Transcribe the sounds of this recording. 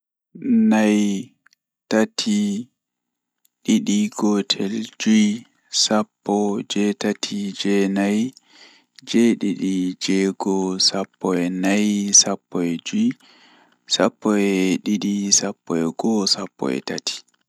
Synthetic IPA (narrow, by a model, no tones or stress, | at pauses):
naj | tatʰi | ɗiɗiɡɔtʰɛld͡ʒuj | sapːɔd͡ʒɛtatʰid͡ʒɛnaj | d͡ʒɛɗiɗid͡ʒɛɡɔsapːɔɛnajsapːɔɛd͡ʒui | sapːɔɛɗiɗisapːɔɛɡɔsapːɔ̰ɛ̰tatʰi̥